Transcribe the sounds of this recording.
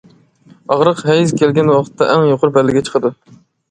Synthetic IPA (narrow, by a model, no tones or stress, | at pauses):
ɑʁɾəqɦɛjizkʲʰelɡʲɛnwɑqə̥t̪ʰːɛʔæŋjoqʰʊɾbælːɪɡʲɛt͡ʃʰə̥qʰəd̪u